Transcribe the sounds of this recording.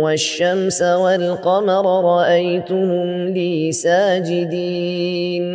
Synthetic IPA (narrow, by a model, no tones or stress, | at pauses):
waʃːamsawalqɑmɾˤɾˤɑʔajt̪ʊhʊmliːsaːd͡ʒɪd̪iːn